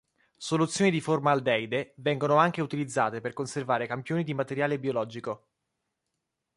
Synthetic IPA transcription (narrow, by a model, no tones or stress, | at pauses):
solut̪sːjoːnid̪iformaːld̪ɛjd̪evɛŋɡonoaŋk̟eut̪ilid̪zːaːt̪eperkonservaːɾekampjoːnid̪imat̪eɾjaːlebiolɔːd͡ʒiko